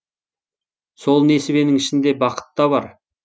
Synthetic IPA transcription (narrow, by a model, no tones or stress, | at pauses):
so̞lˠne̞sɪbe̞nɪŋɪʃɪnd̪e̞bɑqə̥t̪ːɑβɑɾ